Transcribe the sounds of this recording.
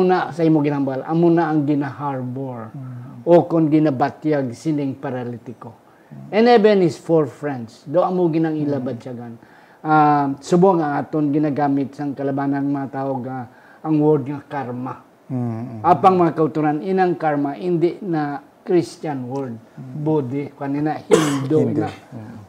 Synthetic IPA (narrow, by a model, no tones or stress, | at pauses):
nasɐʔimoɡɪnambalʔɐ̰monaʔɐŋɡɪnahaɹboɹʔokonɡɪnabat̪jaɡ̚sɪnɪŋpaɾalit̪ɪko | ʔɛnɛbɛnɪsfoɹfɹɛnd̪sd̪awʔɐmoɡɪnaŋɪlabat͡ʃaɡan | ʔasʊboŋɐŋaːt̪oŋɡɪnaɡaːmɪt̪̚sɐŋkɐlɐbaːnanmɐŋat̪aːʔoɡa | ʔɐŋwɔɾd̪ŋakaɾma | ʔaːpaŋmɐŋakɐʊt̪uɾanɪnaŋkaɾmaʔɪnd̪ɪʔna | kɾist͡ʃanwɔɾd̪̚bod̪ɪkaninahɪnd̪okna